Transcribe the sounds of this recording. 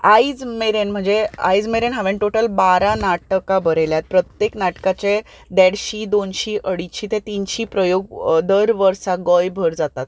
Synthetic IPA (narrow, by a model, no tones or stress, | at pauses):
ajd͡zmeɾenm̤əɳd͡zea̰jd͡zmeɾenɦaʋẽɳʈoʈəlbaɾanaʈəkabəɾeljat̪̚pɾət̪jeknaʈkat͡se | d̪ɛɽɕiːd̪onɕiːʔəɽiɕiːt̪et̪inɕiːpɾəjoɡd̪əɾʋəɾsaɡɔjbʱəɾd͡zat̪at̪̚